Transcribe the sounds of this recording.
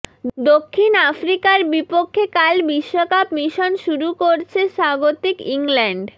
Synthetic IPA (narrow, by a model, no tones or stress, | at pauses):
d̪okʰːinafɾikaɾbipokʰːekalbiʃːokapmiʃonʃuɾukoɾt͡ɕʰeʃaɡot̪ikiŋlɛɳɖ